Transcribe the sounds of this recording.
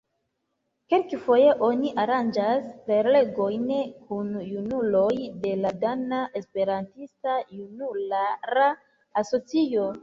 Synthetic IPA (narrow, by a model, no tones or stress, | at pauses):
kelkefo̞je̞ʔo̞niʔaɾand͡ʒaspe̞ɾle̞ɡo̞jnkunjunulo̞jde̞ladanaʔe̞spe̞ɾantistajunulaɾa | aso̞t͡sio̞